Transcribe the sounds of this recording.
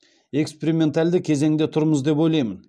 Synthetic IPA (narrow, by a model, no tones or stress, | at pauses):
e̞kspeɾimʲe̞nt̪alʲd̪ɪkʲʰe̞ze̞ŋd̪et̪ʰʊɾməzd̪e̞pojlˠɑjmən